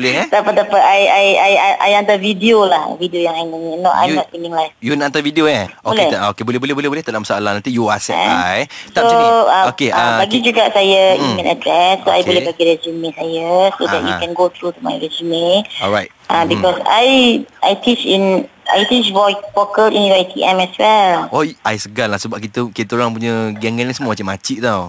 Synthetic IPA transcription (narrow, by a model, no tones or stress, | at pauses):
bolɛt̪apat̪apaajajajaʔa̰jant̪avidiolahvidiojãŋajnanənoʔa̰jmnɔt̚tĩŋĩŋlajfjunaʔant̪avidioaboleokebolbolɛhbolɛhbolɛhd̪alamsaalahnant̪ijua̰sɛa̰ajst̪aoãokeabaɡid͡ʒuɡaʔsajajukɛ̃na̰dɾɛsːoa̰jbolɛhbaɡiɹɛzumĩsajəsodɛ̰t̚jṵkɛ̃nɡot̪ʰɾut̪uma̰jɹɛzimĩɔɹajt̚ | ʔãbikɔsa̰jʔa̰jt̪it͡ʃĩn | ʔa̰jt̪it͡ʃvɔjk̚pɔkətĩnjuajt̪iʔɛ̃mɛswɛlɔajsəɡalahsəbaʔkit̪əkit̪əoɾaŋp̬uɲəɡɛŋɡɛ̃niŋsəmuəmat͡ʃamat͡ʃiʔt̪aw